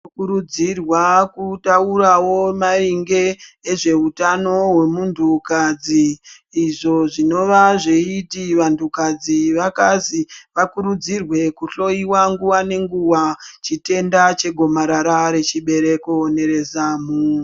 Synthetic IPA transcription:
kuɾud͡zirwakutaurawo̞mariŋɡe̞ːʐe̞utano̞we̞muntʰukad͡ziː | ʐo̞ʐino̞ʋaʐeitiʋantʰukad͡ziʋakaziʋakuɾud͡zirwe̞kuɬo̞iwaŋɡuwane̞ŋɡuwat͡ʃite̞ndat͡ʃe̞ɡʱo̞maɾaɾaɾe̞t͡ʃiɓe̞ɾe̞ko̞ne̞ɾe̞zaːmu

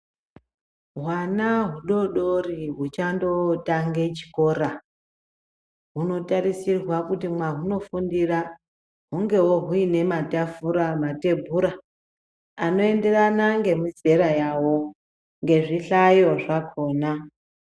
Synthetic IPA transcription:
ɦwanaɦuɗo̞ɗo̞riɦut͡ʃando̞taŋɡe̞t͡ʃi̥ko̞ɾa | ɦuno̞taɾisirwakutimwaɦuno̞fundira | ɦuŋɡe̞wo̞ɦuine̞matafuɾamate̞bʱuɾa | ano̞e̞nde̞ranaŋɡe̞muze̞ɾajawo̞ | ŋɡe̞ʐiɬajo̞ʐakʰo̞ːna

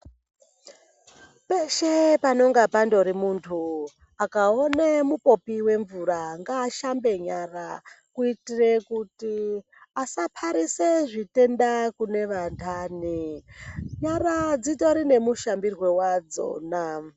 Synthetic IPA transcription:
pe̞ʃepano̞ŋɡapando̞ɾimuntʰu | akaonemupo̞piwe̞ɱvuɾaŋɡaːʃambe̞ɲarakuitire̞kuti | asapʰaɾiseʐite̞ndakune̞ʋantʰani | ɲaɾad͡zito̞ɾine̞muʃambirwe̞wad͡zo̞̰ːna

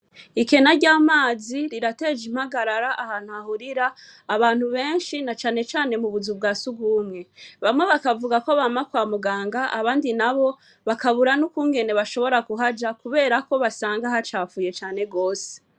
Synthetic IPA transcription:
ike̞naɾɟaːmaːziɾiɾate̞d͡ʒim̥haɡaɾaɾaʔahaːn̥huahuɾiɾaː | βaːn̥huβe̞ːnʃinat͡ʃaːne̞t͡ʃaːne̞muβuzub̚ɡaːsuɡuːmŋe̞βamwe̞βakavuɡakoβaːmakwaːmuɡaːŋɡaʔaβaːndinaβo̞ | βakaβuɾanukuːŋɡe̞ne̞βaʃo̞βo̞ɾakuɦad͡ʒakuβe̞ːɾako̞βasaːŋɡahat͡ʃaːfuːje̞t͡ʃaːne̞ɡo̞ːse̥

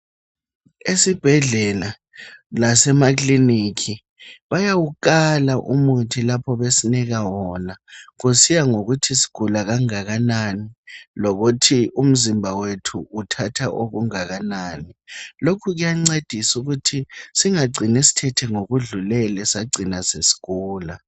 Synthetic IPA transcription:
esib̥ʱɛɮɛla | lasɛmaklinikʰi | βajawukalaʔṵmutʰilapʰɔβesiniɣawɔnaɣusijaŋoɣutʰisi̥ɡ̥ʱulaɣaŋaɣananiloɣutʰium̩zimbʱawetʰuːtʰatʰaʔoɣuŋaɣanaːnilokʰuɣujaŋ͡ǀed̥ʱisuɣutʰisiŋaɡ͡ǀʱinesi̥tʰɛtʰɛŋoɣuɮulɛlɛsaɡ͡ǀʱinasesi̥kuːla

